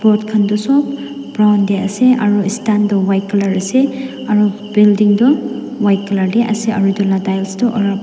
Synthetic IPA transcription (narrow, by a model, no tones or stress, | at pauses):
b̥ɔtkʰandɔsɔp | bɹawndɛasɛʔaɹuistandɔwajkalaɹasɛ | aɹu | b̥ildiŋdɔwajkalaɹdɛʔa̰sɛa̰ɹudɔladajlstɔʔɔɹa